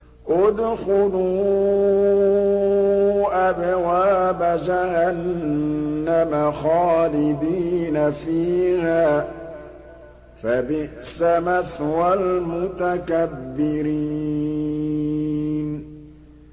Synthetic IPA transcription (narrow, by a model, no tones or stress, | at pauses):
ʔʊd̪xʊluː | ʔabawaːbad͡ʒahanː | amaxaːlɪd̪iːnafiːhaː | fabɪʔsamaθwalmʊt̪akabːɪɾiː | n